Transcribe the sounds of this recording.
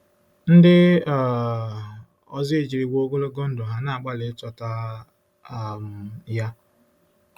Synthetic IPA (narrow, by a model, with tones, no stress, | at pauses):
n̩˦dɪ˦˨ | ɔ̰˦zɪ˦e˦˨d͡ʒi˨ɾi˨ɡʷo˦ɡo˦lo˦ɡo˦n̩˦dʊ˨ɦa˨na˨k͡pa˦le˨˦tɔ˦ta˦˨ | m̩˨ja˦